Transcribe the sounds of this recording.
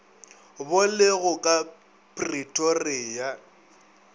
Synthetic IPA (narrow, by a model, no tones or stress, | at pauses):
bʊlɪɣʊkʼa | pʼritʼorɪja